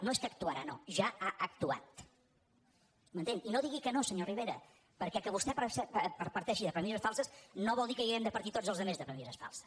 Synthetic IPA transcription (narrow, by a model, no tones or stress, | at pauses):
noeskək̚t̪uaɾano̰ʒaaʔək̚t̪ua̰t̪̚ | mənt̪eŋinoðiɣikənosəɲoriβ̞eɾə̰ | pəɾkɛkəβust̪ɛpsɛpəɾpəɾt̪ɛʃiðəpɾəmizəsfalˠsəsnoβɔlˠd̪ikəiɣɾɛmd̪əpəɾt̪it̪od͡zəlˠzðəmezðəpɾəmizəsfa̰lˠsə̥